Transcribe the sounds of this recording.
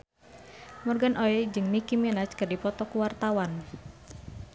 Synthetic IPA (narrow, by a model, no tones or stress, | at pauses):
mərɡanʔoɛd͡ʒɨŋnikiminat͡ʃkɨrdipɔt̪ɔkuwart̪awan